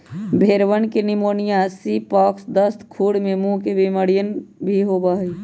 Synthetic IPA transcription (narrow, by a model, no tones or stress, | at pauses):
bʱeːɾʋənkenɪmoːnijasipɔːksd̪əst̪kʰuːɽmemũkebiməɽijənbʱiɦobaɦ